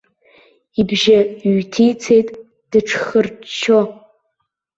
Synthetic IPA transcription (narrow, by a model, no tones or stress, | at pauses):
ibʒaɥtʰijt͡sʰejtʼ | d̥ɨʈ͡ʂʰχərt͡ʃʰːo